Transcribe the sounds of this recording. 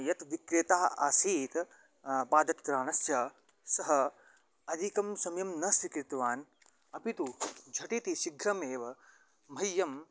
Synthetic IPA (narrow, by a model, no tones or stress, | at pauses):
jɐt̪ʋikɾeːt̪aːɦɐaːsiːt̪ | paːd̪ɐt̪kɾaːnɐsjɐ | sɐɦɐ | ɐd̪ʱikɐmsɐmjɐmnɐsɾikɾɪt̪ʋaːn | ɐpit̪ud͡ʒʱɐʈit̪iʃiɡʱɾɐmeːʋɐ | m̤ʱɐjːɐm